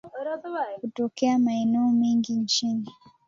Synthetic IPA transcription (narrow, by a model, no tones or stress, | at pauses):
kutɔkɛamaɛnɛɔmiŋɡint͡ʃini